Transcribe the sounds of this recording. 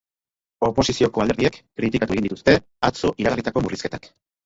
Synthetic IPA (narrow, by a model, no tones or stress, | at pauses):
o̞po̞sisio̞ko̞ald̪eɾðiekːɾit̪ikat̪ue̞ind̪it̪ust̪e̞ | at͡so̞ʔiɾaɣarit̪ako̞muriske̞t̪ak